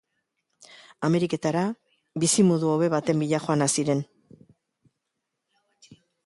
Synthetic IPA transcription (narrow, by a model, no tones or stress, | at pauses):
ame̞ɾike̞t̪aɾa | βisimoðuoβe̞βat̪e̞mbiʎaxo̞anasiɾe̞n